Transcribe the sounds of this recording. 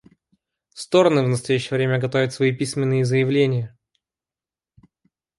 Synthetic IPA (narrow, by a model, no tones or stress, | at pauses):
st̪o̞ɾənɨvnəst̪ɐjæɕːɪjəvɾʲemʲəɡɐt̪ovʲɪt̪svɐipʲisʲmʲɪnːɨjəzəjɪvlʲenʲɪjə